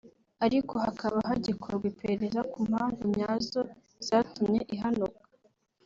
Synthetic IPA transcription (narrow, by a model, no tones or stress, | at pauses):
aɾiko̞hakʰaβaɦaɟikʰoɾɡwipeɾeɾezakumhaːɱvumɲaːzo | z̥aːtumɲeʔiɦanukḁ